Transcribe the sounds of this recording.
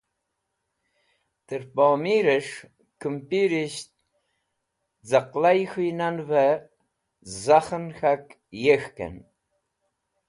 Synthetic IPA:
tɨrpaːmiɾɐʂ | kʰɨmpʼiɾiʃt̚ʼ | d͡zaqlajxinanvɐ | zaχənxakʼ | jɛxkʰɐ̰n

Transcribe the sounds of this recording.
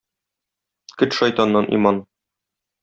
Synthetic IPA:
kɵt̪ʃɒjt̪ɑnːɑnʔḭmɑn

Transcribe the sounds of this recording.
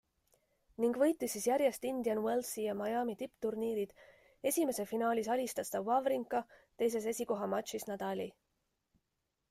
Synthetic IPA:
niŋɡvɤ̞jt̪ːˑisisjæɾje̞st̪ind̪iɑnwelsijɑmɑjɑːmit̪ipt̪urniːɾid̪̥ | e̞sʲime̞sefinɑːlʲisɑlʲist̪ɑst̪ɑvɑvɾiŋkˑːɑt̪e̞js̬e̞s̬e̞sʲiko̞ɦɑmɑt̪ʃisnɑd̪̥ɑlʲi

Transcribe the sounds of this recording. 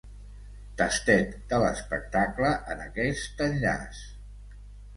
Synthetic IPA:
t̪əst̪ɛt̪d̪ələspək̚t̪akləʔənəkɛst̪ənʎa̰s

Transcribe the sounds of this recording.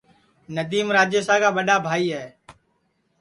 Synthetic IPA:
nəd̪iːmɾaːd͡ʒjeːsaːkaːɓəɗaːbʱaːiːɦɛː

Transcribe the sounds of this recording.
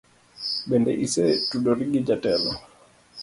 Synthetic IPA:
ɓɛndɛʔisɛtuɗɔɾiɡid͡ʒatɛlɔ

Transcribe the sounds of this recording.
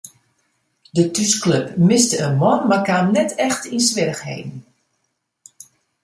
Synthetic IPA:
dətyskløpmɪstəənʋɔnmakanːɛtʰɛxtinsʋɪrəxhḛːvən̩

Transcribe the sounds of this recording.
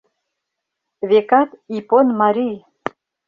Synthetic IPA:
βekɑt̪iponmɑɾij

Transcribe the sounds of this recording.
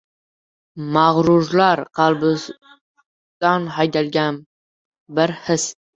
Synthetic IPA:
maʁɾʊɾlaɾqʰɑlˠbɪ | d̪̥anɦajd̪alɡʲan | bɪɾhɪs

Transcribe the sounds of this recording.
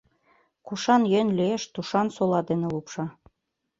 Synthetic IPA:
kuʃɑnjønlieʃt̪uʃɑnsolɑd̪ĕnĕlupʃɑ

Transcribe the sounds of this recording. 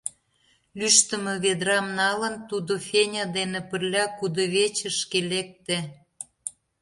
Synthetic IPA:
lyʃt̪ə̆mə̆βed̪ɾɑmnɑlənt̪ud̪ofʲenʲɑd̪enĕpə̆rlʲɑkud̪oβet͡ɕə̆ʃkelek̚t̪ĕ

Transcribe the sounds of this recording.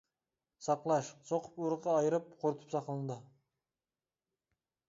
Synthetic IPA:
sɑqlˠɑʃsoqʰə̥puɾəqɑɑjəɾɨp̚qʰoɾt̪ʰə̥psɑqəlˠənd̪ə

